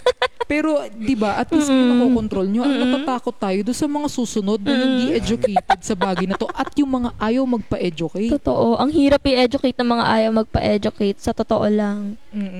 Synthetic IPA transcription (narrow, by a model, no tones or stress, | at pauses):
pɛːɾo̞d̪ɪbaʔɐt̪̚ɡʊsnnɐkoːkont̪ɾolɲoʔɐjnɐt̪at̪aːkot̪ːaːjod̪ʊnsɐmɐŋasuːsʊno̞d̪̚nɐnɐɡiʔɛd͡ʒʊkɛjt̪ɛd̪̚sɐbaːɡɐjnɐt̪o̞ʔɐt̪jʊŋmɐŋaʔaːjɐwmɐɡ̚pɐʔɛd͡ʒʊkɛjt̪ot̪oʔoʔɐŋhiːɾɐpɪʔɛd͡ʒʊkejt̪̚nɐŋmɐŋa̰ʔaːjɐwmɐɡ̚pɐ̰ʔɛd͡ʒʊkɛjt̪̚sɐt̪ot̪oʔolɐŋm